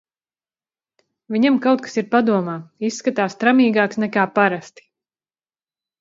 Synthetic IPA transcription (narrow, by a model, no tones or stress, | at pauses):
viɲamkawt̪̚kḁsiɾpad̪uɔmaːissːkat̪aːst̪ɾamiːɡaːksnɛkaːpaɾast̪i̥